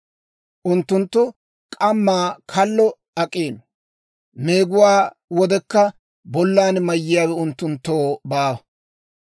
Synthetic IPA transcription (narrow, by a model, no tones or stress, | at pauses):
ʔʊnt̪ːʊnt̪ːʊ | kʼɐmːaːkʰɐlːɔ | ɐkʼːeːn | meːɡʊwaː | wɔd̪ɛkːɐ | bɔlːaːnmɐjːɪjaːwɛʊnt̪ːʊnt̪ːoːbaːwɐ